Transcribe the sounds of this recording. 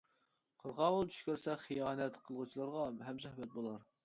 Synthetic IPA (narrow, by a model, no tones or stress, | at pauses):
qʰəɾʁɑʁolˠt͡ʃ̪ʰy̥ʃkʲøɾsɛχijɑːnɛt̪qʰəlˠʁut͡ʃʰilˠɑɾʁɑɦɛmzæhmɛt̪̚bolˠɑɾ